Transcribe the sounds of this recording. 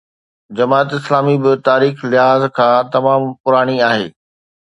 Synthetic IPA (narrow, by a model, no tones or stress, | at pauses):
d͡ʑɐmaːt̪ɪslaːmibɪt̪aːɾiːxlɪɦaːzkʰãːt̪ɐmaːmpʊɾaːɽ̃iaːɦḛː